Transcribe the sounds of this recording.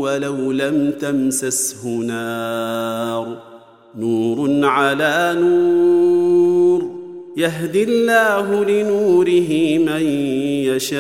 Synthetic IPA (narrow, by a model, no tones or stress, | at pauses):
walawlamt̪amsashʊnaː | ɾˤ | nuːɾnʕalaːnuː | ɾjaɦd̪ɪlːaːɦʊlɪnuːɾɪɦɪmanjaʃaː